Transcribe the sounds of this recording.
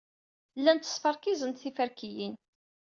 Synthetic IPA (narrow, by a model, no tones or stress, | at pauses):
lːænt̪ːə̥sˤfɑɾˤkizənt̪θifæɾkijin